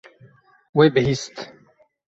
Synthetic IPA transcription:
wejbeɦist̪

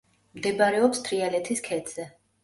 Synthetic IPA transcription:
md̪ɛbaɾɛɔpst̪ʰɾialɛt̪ʰiskʰɛd̪z̥ɛ

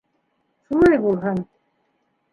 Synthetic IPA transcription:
ʃulˠɑjbulˠɦɤn

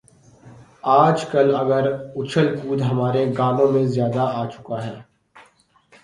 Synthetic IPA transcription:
aːd͡ʒkɐlɐɡəɾʊt͡ʃʰəlpuːd̪ɦɐmaːɾeɡaːlõmẽzjaːd̪aaːt͡ʃʊ̥kaɦɛː

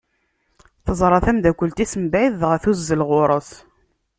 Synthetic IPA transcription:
θəzˤɾˤɑθæmd̪ækʷːəlt̪isəmbʕiðʁəθuzːəlʁʊɾˤəs

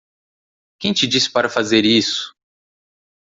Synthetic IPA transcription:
kẽj̃t͡ʃɪd͡ʒispaɾɐfazeɾisʊ̥

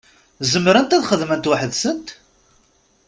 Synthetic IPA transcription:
zəmːɾænt̪æðχəðmənt̪waħəðsənt̪

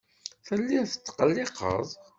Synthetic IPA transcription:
θəlːiθə̥t͡s̪ːqəlːɪqə̰ðˤ

